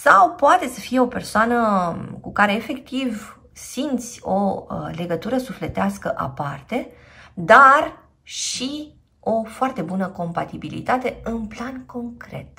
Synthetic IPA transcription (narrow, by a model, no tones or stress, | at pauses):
sawpoat̪e̞səfije̞o̞pe̞rsoanəkukaɾe̞ːfe̞kt̪iv | sint̪sʲo̞le̞ɡət̪uɾəsufle̞t̪easkəʔa̰part̪e̞ | d̪ar | ʃi | o̞foart̪e̞bunəko̞mpat̪ibilḭt̪at̪e̞ɨnplanko̞ŋkɾe̞̰t̪̚